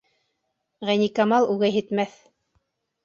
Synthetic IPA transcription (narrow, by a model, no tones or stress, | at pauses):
ʁænikamɑlˠʉɡæjɦɘ̆t̪mæθ